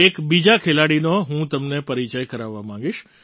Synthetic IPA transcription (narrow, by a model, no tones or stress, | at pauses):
ekbid͡ʒakʰelaɽinoɦũt̪əmnepəɾit͡ʃajkəɾaʋːamãŋ̆ɡiʃ